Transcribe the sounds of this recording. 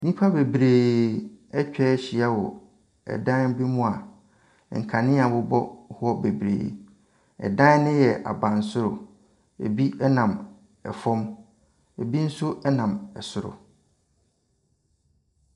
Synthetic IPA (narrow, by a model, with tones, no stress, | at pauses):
nĩ˦pʰa˦be˨bɾeː˨ | ɛ˦t͡ɕᶣɛ˦ɕi˨a˦wɔ˨ | ɛ̰˨dã˦n˦bi˦mũ˦a˨ | ŋ̩˨kʰa˨nɪ̃˦a˨bʊ˦bɔ˦hɔ˦be˨bɾḛː˨˦ | ɛ̰˨dã˦n˦nɪ̃˦jɛ˨ʔa̰˨bã˨n˨sʊ˦ɾʊ˨ | ḛ˨bi˦ɛ˦nã˨m | ɛ˨fɔ̃˦m | e˨bi˦n̩˦sʊ˦ɛ˦nã˨mɛ̰˨sʊ˦ɾʊ̰˨